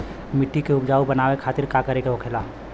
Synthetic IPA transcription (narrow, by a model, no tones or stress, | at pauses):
mɪʈːikeʊbd͡ʒaːubɐnaːwekʰaːt̪ɪɾkakəɾekeɦoːkʰelaː